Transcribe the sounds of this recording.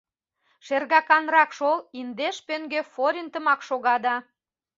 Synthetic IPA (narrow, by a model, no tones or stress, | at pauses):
ʃerɣɑkɑnrɑkʃolind̪eʃpøŋɡefoɾʲint̪ə̆mɑkʃoɣɑd̪ɑ